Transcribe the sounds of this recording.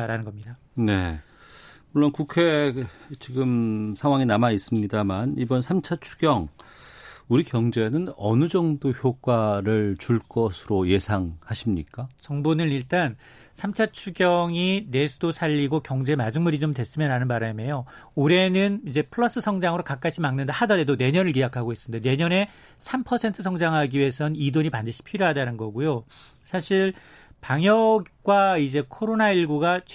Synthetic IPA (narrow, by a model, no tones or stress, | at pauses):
ɾanɯnɡʌmɲida | ne̞ | muɭːonkukʰe̞t͡ɕiɡɯmsʰaŋwaŋinamais͈ɯmɲidamanibʌnsʰamt͡ɕʰat͡ɕʰu̥ɡjʌŋ | uɾikjʌŋd͡ʑe̞nɯnʌnɯd͡ʑʌŋdoçjok͈waɾɯɭt͡ɕuɭk͈ʌsʰɯɾoje̞sʰaŋhaɕʰimɲik͈at͡ɕʌŋbonɯniɭt͈an | sʰamt͡ɕʰat͡ɕʰuɡjʌŋine̞sʰudosʰaʎːiɡokjʌŋd͡ʑe̞mad͡ʑuŋmuɾid͡ʑomdwe̞s͈ɯmjaɾanɯnbaɾame̞jooɾe̞nɯnid͡ʑe̞pʰɯɭːʌs͈ɯsʰʌŋd͡ʑaŋɯɾokak͈aɕʰimaŋnɯndahadʌɾe̞done̞ɲʌnɯɭkejakʰaɡoe̞s͈ɯndene̞ɲʌne̞ | sʰampʰʌsʰe̞ntʰɯsʰʌŋd͡ʑaŋɦaɡiiesʰʌnnidoɲipandɯɕʰi̥pʰiɾjoɦadanɯnɡʌɡujo | sʰaɕʰiɭ | paŋjʌk͈waid͡ʑe̞kʰoɾonaiɭɡuɡat͡ɕ